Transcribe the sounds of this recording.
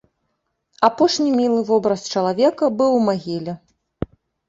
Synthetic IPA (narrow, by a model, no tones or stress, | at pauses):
apɔʂnʲimʲilˠɨvɔbɾɐst͡ʂɐlˠavʲɛkɐbɨwmaɣʲilʲɛ